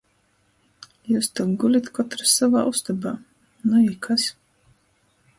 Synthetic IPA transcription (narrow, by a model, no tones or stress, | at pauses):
juːst̪awɡulʲit̪kɔt̪ɾasavaːʔust̪abaː | nuikʰas